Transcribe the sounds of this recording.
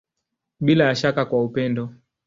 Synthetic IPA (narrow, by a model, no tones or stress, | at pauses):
ɓilajaʃakakwaupɛndɔ